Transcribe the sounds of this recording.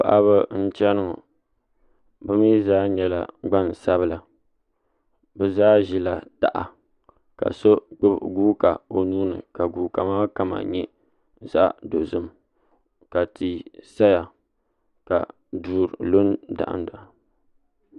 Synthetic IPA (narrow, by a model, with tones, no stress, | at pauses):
pa̰˨ʔa˦βɨ˦n̩˦t͡ʃɛ˦nɨ˦ma̰˨ | bɨ˦mi˦zaː˦ɲɛ˦la̰˨ɡ͡ba˦˨n˨sa˦βɨ˦la˨ | bɛ˦zaː˦ʒi˦la˨ta̰˨ʔa̰˨ | ka̰˨so˦k͡pɨ˦bɡuː˦ka˨o˨nuː˦nɨ̰˨ka˨ɡuː˨ka˨maː˦ka˦ma̰˨ɲɛ˦ | za̰˦ʔdo˨zɨ˦m | ka˨ti˨sa˦ja˨ | ka̰˨ | duː˨ɾlo˦nda̰˨ʔa̰˦n˦da˨a˨